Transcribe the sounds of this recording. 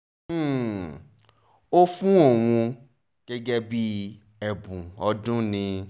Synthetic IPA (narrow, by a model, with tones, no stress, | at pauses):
o˦fũ˦ɔ˦˨w̃ũ˧ | ɡ̥ɛ˦ɡɛ˦bi˦ | ɛ˨bũ˨ɔ˧dũ˦nĩ˧